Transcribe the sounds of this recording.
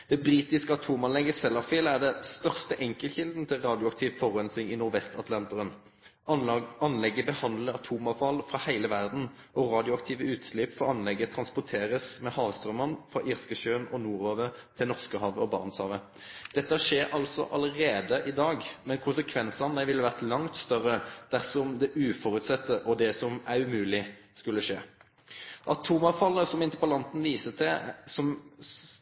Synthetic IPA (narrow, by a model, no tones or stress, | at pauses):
d̪̥ɛbʁiːt̪ɪskəɑt̪ʰuːmɑnlɛɡəsɛlːɑfiːlæʁd̪ɛst̪œʁst̪əʔɛŋkəlçɪld̪n̩t̪ʰɪlʁɑːd̪jʊɑkt̪ʰiːʋfɔʁɛnsɪŋɪnʊʁʋɛst̪ɑt̪ʰlɑnt̪əʁən | ɑnlɛɡːəbəhɑnd̪ləʁɑt̪ʰuːmɑfɑlfʁɑhæɪləʋæʁd̪n̩ | ʔɔʁɑːd̪ɪʊɑkt̪ʰiːʋəʉːt̪slɪpfɔʁɑnlɛɡːət̪ʰʁɑnspʊt̪ʰeːʁəsmɛhɑːʋst̪ʁœmɑnfʁɑ̰ʔɪʁskəʃøːnɔnuːʁoːʋət̪ʰɪlnɔʁskəɦɑːʋəɔbɑ̰ʁnshɑːʋə | d̪̥ɛt̪ːəæʂeːɾʔɑlsɔ̰ʔɑləʁeːd̪əʔɪd̪ɑːɡmɛnkʰʊnsəkʰʋɛnsɑnd̪æɪʋɪlːəʋæʁt̪lɑŋt̪st̪œʁəd̪̥æʁsɔmd̪ɛʔʉːfɔʁʉt̪sɛt̪ːəʔɔd̪ɛsɔmæʁʉmʉːlɪ | skʉlːəʃeː | ʔɑt̪ʰuːmɑfɑlːəsɔmɪnt̪əpɑlɑnt̪n̩ʋiːsət̪ʰɛsɔm